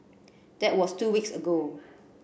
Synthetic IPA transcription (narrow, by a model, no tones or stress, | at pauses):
d̥ɛt̚wɔstuwiksəɡo